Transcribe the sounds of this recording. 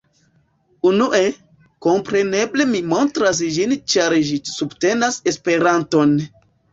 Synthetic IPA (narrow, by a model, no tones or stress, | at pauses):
unuʔe̞ | ko̞mpɾe̞ne̞ble̞mimo̞ntɾas̬d͡ʒint͡ʃaɾʒisubte̞nase̞spe̞ɾanto̞n